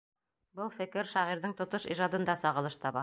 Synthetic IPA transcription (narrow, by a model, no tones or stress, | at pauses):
bɤlˠfɘ̆kɘɾʃɑʁiɾðɤŋt̪ŏt̪oʃiʒɑd̪ɤ̆nd̪ɑsɑʁɤ̆lˠɤʃt̪ɑβɑ